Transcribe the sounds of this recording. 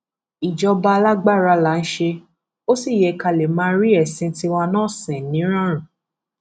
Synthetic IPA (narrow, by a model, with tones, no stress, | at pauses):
i˨d͡ʒɔ˧ba˧la˦ɡ͡ba˦˨ɾa˧la˨˦n̩˦ʃe˧ | o˦si˦˨jɛ˨ka˧le˨mãː˦ɾi˦ɛ˦˨sĩ˧ti˦wã˧nãː˦˨sɛ̃˨nĩ˨˦ɾ̃ã˦˨ɾ̃ũ˨